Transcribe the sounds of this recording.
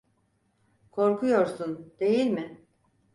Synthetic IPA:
kʰo̞ɾkʰujo̞ɾsund̪e̞jilʲmɪ

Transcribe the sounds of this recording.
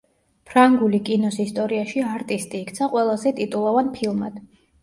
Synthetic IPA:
pʰɾaŋɡulikʼinɔsist̪ʼɔɾiaʃiaɾt̪ʼist̪ʼiːkʰt̪sʰaqʼwɛlˠazɛt̪ʼit̪ʼulˠɔvanpʰilˠmad̪̥

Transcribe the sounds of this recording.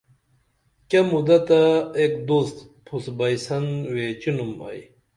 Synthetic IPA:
kʲɐmud̪ɐt̪aekd̪ust̪pʰusbɐjsɐnweːt͡ɕinumɐ̰j

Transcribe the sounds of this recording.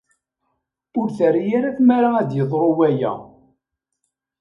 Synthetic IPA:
ʊɾθəɾjaɾaθmaɾaæd̪jəðˤɾˤowæjæ̰

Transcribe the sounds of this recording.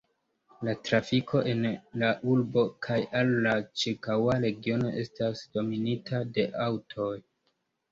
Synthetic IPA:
latɾafikʰo̞ʔe̞nlaʔuɾbo̞kʰajʔalːat͡ʃiɾkawaɾe̞ɡio̞no̞̰ʔe̞̰stasd̥o̞minitʰade̞ʔawtʰo̞j

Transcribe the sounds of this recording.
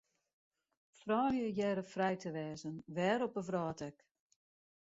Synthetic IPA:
fraːljəjɛɾəfrɛjtʰəʋɛːzənʋɛːɾɔpəvraːtɛk

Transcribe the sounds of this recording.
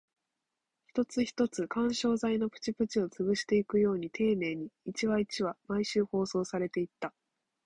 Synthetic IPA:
çi̥t̪o̞t͡sɨçi̥t̪o̞t͡sɨkãɰ̃ɕo̞ːzaino̞pɯ̟̥t͡ɕipɯ̟t͡ɕio̞t͡sɨβɯ̟ɕi̥t̪e̞ikɯ̟jo̞ːɲ̟it̪ʰe̞ːne̞ːɲ̟iːt͡ɕiβait͡ɕiβamaiɕɨːho̞ːso̞ːsaɾe̞t̪e̞it̪ːa

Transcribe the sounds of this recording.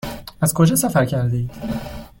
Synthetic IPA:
æzkʰod͡ʒɒːsæfæɾcʰæɾd̪eid̪̥

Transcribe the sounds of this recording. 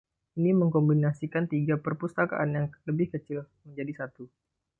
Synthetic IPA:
iniməŋkɔmbinasikant̪iɡapərpust̪aka̰ʔanjaŋləbɪhkət͡ʃil | məɲd͡ʒadisat̪u

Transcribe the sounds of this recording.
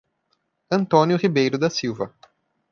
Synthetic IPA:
ɐ̃nt̪õnjʊhibejɾʊd̪ɐsiwvɐ

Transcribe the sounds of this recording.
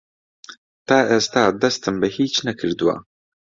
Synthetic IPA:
t̪aːʔest̪aːd̪ɐst̪ɨmbɨhiːt͡ʃnɐkʰɨɾd̪uwa̰ː

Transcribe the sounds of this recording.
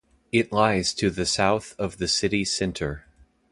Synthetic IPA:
ɪtˡlaɪz̥tʰɨðɨsaʊθʌvðɨsɪɾisɛ̃ntʰə˞

